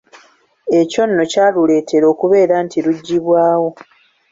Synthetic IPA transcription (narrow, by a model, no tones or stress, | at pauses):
e̞co̞nːo̞caːlule̞ːtʰe̞ɾo̞ːkuβe̞ːɾaːntiɾuɟːiβwaːwo̞